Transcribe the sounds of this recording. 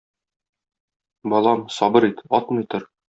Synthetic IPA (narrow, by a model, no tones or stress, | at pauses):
bɒlˠɑmsɒbɤɾit̪ɒt̪mɤ̆jt̪oɾ